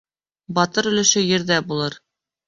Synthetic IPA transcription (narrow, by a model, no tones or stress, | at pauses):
bɒt̪ɤɾɵ̆lɘ̆ʃɘjɘ̆ɾd̪æbulˠɤɾ